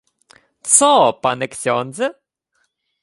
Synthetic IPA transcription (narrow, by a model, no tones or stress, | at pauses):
t̪sɔpanɛksʲɔnd̪zɛ